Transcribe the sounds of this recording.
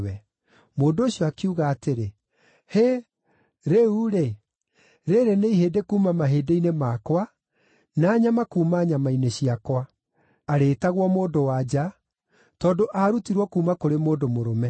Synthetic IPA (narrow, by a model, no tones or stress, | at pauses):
wɛ | moːndooɕiɔakiuɣaːteɾe | he | ɾeuɾe | ɾeɾeneiɦeːdekuːmamaɦeːdeinemakwa | naːɲamakuːmaːɲamaineɕiakwa | aɾeːtaɣwɔmoːdowad͡ʑa | tɔːndoʔaɾutiɾwɔkuːmakoɾemoːdomoɾomɛ